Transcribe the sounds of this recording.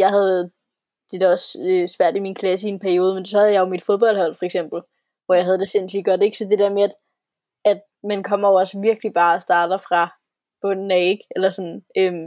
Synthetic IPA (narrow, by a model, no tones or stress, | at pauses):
jɑ̈ɪɦæð̞̩ˠ | d̥e̝d̥æɒ̽søsʋæɐ̰d̥iminkʰlæsəienpʰæɐio̝ːðˠmen̥sɒ̽hæð̩ˠjɑ̈jomid̥foðˠb̥ɒ̽l̰d̥hɒ̽l̰fɒ̽eɡ̥sem̰b̥l̩ | ʋɒjɑ̈ɪɦæð̞ˠd̥e̝sen̰sliɡ̥ɒd̥e̝ɡ̥sɒ̽d̥e̝d̥æɐmeæd̥ | æd̥ | mænkʰɒ̽m̰ɐjoɒ̽səʋiɐɡ̥lib̥ɑ̈ːɒsd̥ɑ̈ːd̥ɐfʁɑ̈ | b̥ɔ̽n̰n̩æeɡ̥elɐsɒ̽nøm